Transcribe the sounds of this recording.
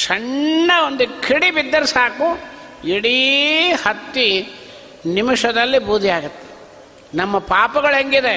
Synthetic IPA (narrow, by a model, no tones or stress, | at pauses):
ʂɐɳːɐond̪ukʰiɽibid̪ːɐɾsaːku | iɽihɐt̪ːi | nimuʂɐd̪ɐlːibuːd̪ʱijaːɡɐt̪ːe̥ | nɐmːɐpaːpɐɡɐɭɦeŋɡid̪e